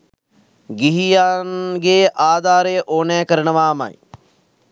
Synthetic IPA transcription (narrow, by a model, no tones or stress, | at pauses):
ɡɪɦijaːnɡeːʔaːd̪aːɾeːʔoːnɛ̃ːkəɾəɳəʋaːma̰ːḭ